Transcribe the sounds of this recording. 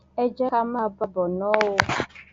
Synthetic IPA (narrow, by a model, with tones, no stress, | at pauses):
ɛ˦d͡ʒɛ˦a˦m˦a˦ba˦bɔ˨nɔ̃˦wo˦